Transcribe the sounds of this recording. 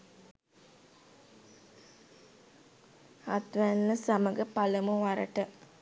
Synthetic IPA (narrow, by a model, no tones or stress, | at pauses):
at̪ʋænːəsaməɡəpaləmuʋaɾə̰ʈə